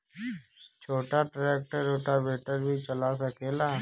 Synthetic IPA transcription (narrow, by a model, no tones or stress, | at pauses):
t͡ʃʰoːʈaʈɾeːk̚ʈəɾoːʈabeːʈəɾbʱit͡ʃəlasəkeːlaː